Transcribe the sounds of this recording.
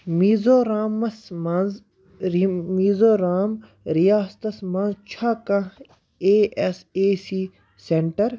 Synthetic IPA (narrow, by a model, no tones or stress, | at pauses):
miːzoːɾaːmɐsmɐnz | ɾmiːzoɾaːm | ɾijaːst̪ɐsmãnzt͡ʃʰaːkã | eːeseːsiː | seɳʈɐɾ